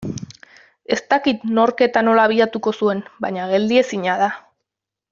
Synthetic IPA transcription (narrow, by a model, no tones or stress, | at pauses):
e̞st̪akit̪no̞ɾke̞t̪ano̞laːβ̞iðat̪uko̞sue̞nbaɲaɣe̞ld̪ie̞siɲað̞a